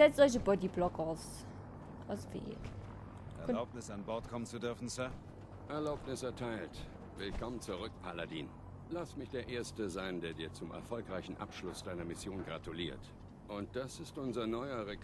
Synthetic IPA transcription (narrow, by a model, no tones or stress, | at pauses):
z̥ɛt͡stz̥ɔç̬əbɔdiblɔkaʊs | ʔaʊsvḛːk | ʔɛɐlaʊpnɪsanbɔɐtkʰɔmənt͡sudʏɐfn̩sœɐ | ʔɛɐlaʊpnɪsɛɐtʰaɪlt | v̥ɪlkʰɔmənt͡suʁ̞ʏk̚pʰaladiːn | lastmɪçd̥eːɐʔeːɐstəzaɪndeːɐdiːɐt͡sʊmɛ̰ɐfɔlkʁaɪçn̩ʔa̰pʃlʊsd̥aɪnɐmɪsjoːnɡʁatuliːɐt | ʔʊnt̚d̥asɪstʔʊnzɐnɔʏɐʁek